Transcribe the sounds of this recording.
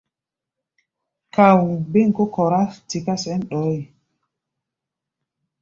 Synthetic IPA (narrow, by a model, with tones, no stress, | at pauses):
ka˨wu˨be˦ŋkɔ˦kɔ˨ɾa˦ti˨ka˦sɛ˦nɗɔ˨˦j